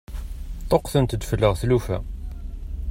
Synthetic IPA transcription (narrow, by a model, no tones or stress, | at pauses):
t̪ˤoqθənt̪əd̪fəlːəʁθlufæ̰